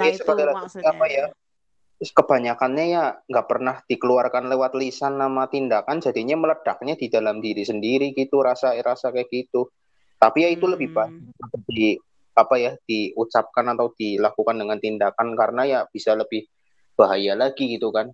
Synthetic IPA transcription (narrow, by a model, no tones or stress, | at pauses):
jasəpərt̪alad͡ʒuiapaja | kəb̥aɲakanɲajaŋɡaʔpərnahd̥ikəluarkanlewat̪̚lisanːamat̪indakand͡ʒadiɲamələd̥ak̚ɲadidalamdiɾisəndiɾiɡit̪uɾasaɾasakajakit̪u | t̪apijait̪uləbɪhb̥ajaaədi | apajad̥iut͡ʃap̚kanat̪awd̪̥ilakukandəŋant̪indakankaɾənajab̥isaləb̥ɪh | b̥aɦajalaɡiɡit̪ukan